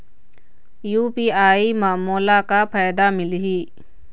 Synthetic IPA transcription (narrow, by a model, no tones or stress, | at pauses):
juːpiːaːiːmaːmoːlakapʰaːjd̪amɪlɦiː